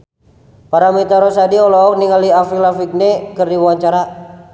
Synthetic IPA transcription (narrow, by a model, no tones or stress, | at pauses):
paɾamit̪aɾɔsadiɔlɔɔk̚niŋaliafilafik̚nɛkɨrdiwawaɲt͡ʃaɾa